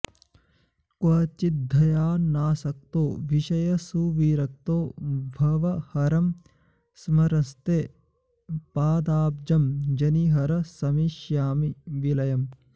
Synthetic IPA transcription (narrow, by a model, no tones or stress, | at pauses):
kwɐːt͡ʃid̪ʱːɐjaːnaːsɐk̚t̪oːʋiʃɐjɐsuːʋiːɾɐk̚t̪oːbʱɐʋɐhɐɾɐm | smɐɾɐst̪eː | paːd̪aːb̚d͡ʒɐmd͡ʒɐniɦɐɾɐsɐmiʃjaːmiʋilɐjɐm